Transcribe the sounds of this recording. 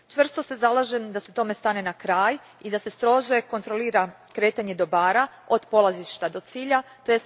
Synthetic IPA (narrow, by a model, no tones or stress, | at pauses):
t͡ʃʋr̩st̪o̞se̞zalˠaʒemd̪aset̪o̞me̞st̪ane̞nakɾaːj | id̪ase̞st̪ɾo̞ʒe̞ko̞nt̪ɾo̞liːɾa | kɾe̞ːt̪aɲe̞d̪o̞baːɾao̞d̪po̞lˠaziʃt̪ad̪o̞t̪siːʎat̪ojes